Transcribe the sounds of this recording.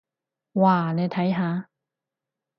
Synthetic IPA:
waː˨ne˨˧jt̪ʰɐ˨˥jɦaː˨˧

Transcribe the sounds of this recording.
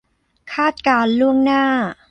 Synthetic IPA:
kʰaː˥˩t̪̚kaː˧nlu˥˩əŋnaː˥˩

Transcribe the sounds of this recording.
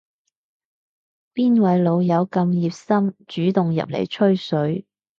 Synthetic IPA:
piː˥nwɐ˨˥jlo˨˧wjɐ˨˧wkɐ˧mjiː˨p̚sɐ˥mt͡ʃyː˨˥t̪ʊ˨ŋjɐ̰˨p̚lḛ˨˩jt͡ʃʰɵ˥ɥsɵ˨˥ɥ

